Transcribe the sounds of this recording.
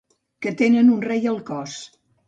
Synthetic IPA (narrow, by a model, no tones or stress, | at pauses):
kət̪enənunrejəlˠkɔs